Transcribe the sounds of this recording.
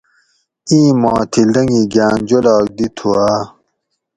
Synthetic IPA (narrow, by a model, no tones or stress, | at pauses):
ĩːmɔ̃ːt̪ʰild̪ɐŋɡiɡaːnd͡ʑolaːk̚d̪it̪ʰuaː